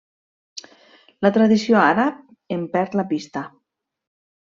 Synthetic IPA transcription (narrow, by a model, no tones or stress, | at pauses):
lat̪ɾaðisioaɾap̚ | empɛɾt̪lapist̪a